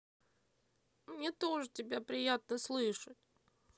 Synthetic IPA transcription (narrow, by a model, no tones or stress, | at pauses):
mnʲet̪o̞ʐɨtʲɪbʲapɾʲɪjat̪̚nəslˠɨʂətʲ